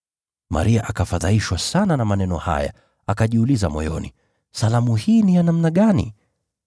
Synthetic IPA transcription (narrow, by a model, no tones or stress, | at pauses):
ma̰ɾiaʔakafaðaiʃwasananamanɛnɔha̰ja̰ | akaʄiulizamɔ̰jɔnḭ | salamuhiːnijanam̩naɠanḭ